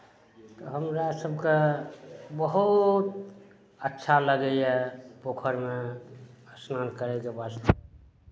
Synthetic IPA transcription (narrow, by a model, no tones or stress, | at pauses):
t̪ɔɦəmɾasəbʱke | bəɦut̪ | ətːʃʰaləɡɛjɛpokʰəɾme | əsnankəɾɛjkebast̪əb